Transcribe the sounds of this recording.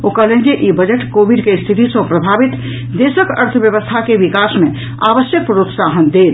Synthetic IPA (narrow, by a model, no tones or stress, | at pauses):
okələ̃d͡ʒeʔibəd͡ʒəʈkobiɖkest̪ʰit̪isə̃pɾəbʱabit̪ | d̪esəkəɾt̪ʰəbjəʋəst̪ʰakeʋikasmẽ | a̰ʋəsjək̚pɾot̪saɦənd̪el